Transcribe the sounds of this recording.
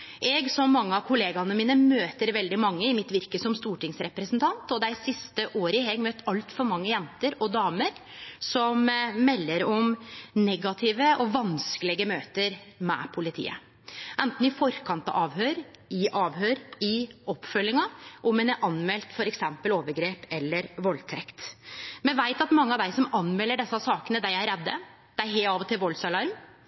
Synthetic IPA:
ʔɛɡsɔmːɑŋːəɑʋkʰʊleːɡɑnəmiːnəmøːt̪əɾʋɛld̪ɪmɑŋːəɪmɪt̪ʋɪɾkəsɔmst̪uːʈɪŋsɾɛpɾəsnt̪ʰɑnt̪ɔd̪æɪsɪst̪əʔoːɾəɪhɛɡmøːt̪ɑlt̪fɔɾmɑŋːəjɛnt̪əɾɔd̪ɑːməɾ | sɔmmɛlːəɾɔmnɛɡɑt̪ʰɪːʋəʔɔʋɑnskəlɪɡəmøːt̪əɾmɛ̰pʰʊlɪt̪ʰḭːə̰ | ʔɛnt̪n̩ɪfɔɾkʰɑnt̪ɑ̰ɑːʋhøːɾɪʔɑːʋɦøːɾɪɔpːfœlːɪŋɑʔɔmɛnæɾʔɑnmɛlt̪fɔɾɛksɛmpəloːʋəɾɡɾeːpɛlːəɾʋɔlt̪ʰɾɛkt̪mɛnʋæɪt̪ɑt̪mɑŋːəɑʋd̪æɪsɔmɑnmɛlːəɖɛsːɑsɑːkənəd̪æɪæɾɛd̪ːə | d̪̥ɛæɾɦeːɑʋɔt̪ʰɪlʋɔlsɑlɑɾm

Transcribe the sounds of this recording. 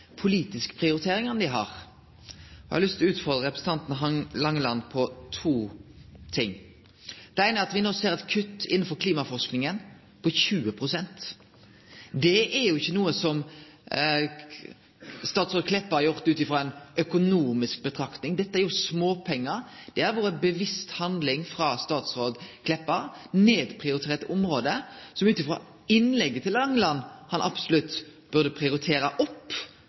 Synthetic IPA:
pʰʊliːt̪ɪskə̥pʰʁɪʊɾɪt̪ʰeːɾɪŋɑnd̪ɪɦɑ̰ʁ | hɑlʏst̪ʰɪlɔʉːt̪fɔɾd̪ʁəɾɛpɾəsət̪ɑnt̪n̩ɑlɑŋːəlɑnːpʰɔt̪ʰuːt̪ʰɪŋː | d̪̥ɛæɪnəæɾɑt̪ʋɪnoːseːɾɛt̪kʰʉt̪ːɪnːn̩fɔɾkʰliːmɑfɔɾsknɪŋən | pʰɔçʉːəpʰɾʊsɛnt̪ | d̪ɛɛɾjʊɪçːənuːəsɔm | st̪ɑːt̪sʁoːd̪̚kʰlɛpːəʁæjʊʁt̪ʉːt̪ɪfɾɔːɛɪnœkʊnuːmɪsk̚bət̪ʰɾɑkt̪nɪŋd̪ɛt̪ːəæɾjʊsmoːpʰɛŋːəɾd̪̥ɛæɾʋoːɾəbəʋɪst̪hɑnd̪lɪŋfɾɑːst̪ɑːt̪sʁoːd̪kʰlɛpːəɾneːd̪pʰʁɪʊɾɪt̪ʰeːɾt̪ɔmɾoːd̪əsɔmʉːt̪ɪfʁo̰ː | ɪnlɛɡːət̪ʰɪlɛŋlɑnhɑnʔɑ̰bsʊlʉt̪ːb̥ʉʁd̪əpʰʁɪʊɾɪt̪ʰeːɾəʔɔpː

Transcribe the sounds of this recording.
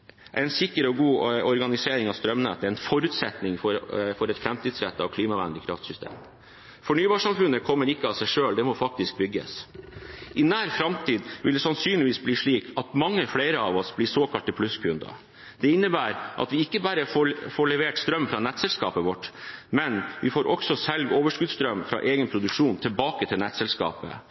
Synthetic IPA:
ʔæ̰ɪnsɪkːəɾɔɡuːɔɾɡɑnɪseːɾɪŋɑʋst̪ɾœmnɛ̰t̪ːəæɪnfɔɾʉt̪sɛt̪nɪŋfɔɾfɔɾɛt̪fɾɛmt̪ʰiːd̪sɾɛ̰t̪ːɑ̰ʋkʰliːmɑʋæ̰nlɪkʰɾɑft̪sʏst̪ḛːm | fɔɳyːbɑʂɑmfʉnːəkʰɔmːəɾɪkːəɑʋsæɪʂøːld̪ɛmɔfɑk̚t̪ɪsk̚bʏɡːə̰s | ʔɪnæːɾfɾɑmt̪ʰiːd̪ʋɪ̰ld̪ɛsɑnsyːnlɪʋiːsbliːʂɭiːkʰɑt̪mɑŋːəfleɪɾəɑʋɔsblɪːsoːkɑlt̪əpʰlʉskʰʉnd̪ɑ̰ | d̪̥ɛɪnːəbæːɾʔɑ̰t̪ʋɪɪkːəbæːɾəfofoːɭɛʋeːʈst̪ɾœmːfɾɑːnɛt̪sɛlskɑ̰ːpəʋɔʈːmɛnʋɪfoːɾʔɔksɔsɛlɡoːʋəʂkʉd̪st̪ɾœmːfɾɑ̰ːʔeːɡənpʰɾʊd̪ʉkʂuːnt̪ʰɪlbɑːkət̪ʰɪlɛt̪sɛlskɑ̰ːpə̰

